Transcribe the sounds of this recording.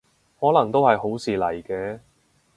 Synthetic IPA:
hɔː˨˥lɐ˨˩ŋt̪o˥whɐ˨jho˨˥wsiː˨lɐ˨˩jkɛː˧

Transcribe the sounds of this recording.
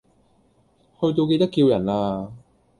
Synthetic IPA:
hɵ˧ɥt̪̬o˧wke˧jt̪ɐ˥kːiː˧wjɐ˨˩nlaː˧

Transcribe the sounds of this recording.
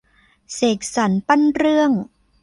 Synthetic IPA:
seː˨˩k̚sa˩˦npa˥nɾɯ˥˩əŋ

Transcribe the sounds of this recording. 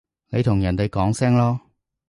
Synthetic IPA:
ne˨˧jt̪ʰʊ˨˩ŋjɐ˨˩nt̪e˨jkɔː˨˥ŋsɛː˥ŋlɔː˥

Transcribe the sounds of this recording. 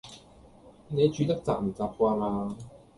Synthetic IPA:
ne˨˧jt͡ʃyː˨˧t̪ɐ˥k̚t͡sa̰ː˧˩m̩˨˩t͡saː˨p̚kʷaː˧maː˧

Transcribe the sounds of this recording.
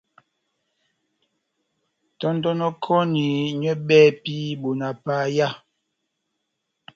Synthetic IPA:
tɔ˦ndɔ˦nɔ˦kʰɔ˦ni˨ɲɛ˦ɓɛː˦pi˦bo˨na˨pa˦ja˦

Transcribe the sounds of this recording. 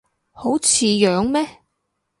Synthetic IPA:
ho˨˥wt͡sʰiː˨˧jœː˨˧ŋmɛː˥

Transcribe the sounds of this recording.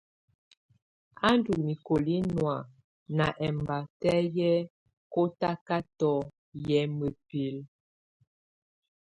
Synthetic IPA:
a˦ndu˨kmi˨ko˨li˦nwa˨ | na˨ʔɛ˨mba˨tɛ˦jɛ˦ | ko˦ta˦ka˦tɔ˦ | jɛ˦mə˨pi˦l

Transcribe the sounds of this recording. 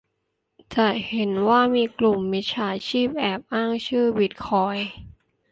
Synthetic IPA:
t͡ɕɛ˨˩he˩˦nwaː˥˩miː˧klu˨˩mːi˦˥t͡ɕʰaː˧˦˥t͡ɕʰiː˥˩p̚ʔɛː˨˩p̚ʔaː˥˩ŋt͡ɕʰɯː˥˩bi˨˩t̪̚kʰɔː˧j

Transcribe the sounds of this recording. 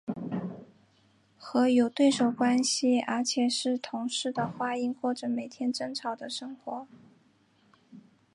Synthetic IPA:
xɤ˧˥jo˨˩ʊt̪we˥˩ɪʂo˨˩ʊkwa˥nɕi˨ə˞˧˥t͡ɕʰjɛ˨˩ʂɻ̩˥˩t̪ʰʊ˧˥ŋʂɻ̩˥˩d̪ə˩xwa˥i˥˧nkwɔ˥˩ʈ͡ʂə˨˩me˨˩ɪt̪ʰjɛ˥nʈ͡ʂɤ˥ŋʈ͡ʂʰɑ˨˥ʊd̪ə˧ʂɤ˥ŋxwɔ˧˥

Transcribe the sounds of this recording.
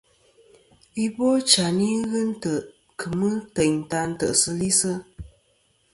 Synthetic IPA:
i˦bɔ˦t͡ʃa˨ni˦ɣɨ˦n̩˦tə˨ʔ | kʰɨ˨mɨ˦tə˨ɲn̩˨ta˧n̩˦tə˨ʔsə˦li˦sə˦

